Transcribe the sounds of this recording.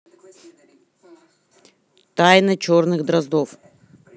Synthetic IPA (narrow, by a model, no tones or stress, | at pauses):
t̪ajnɨt͡ɕornɨɣd̪ɾɐzd̪of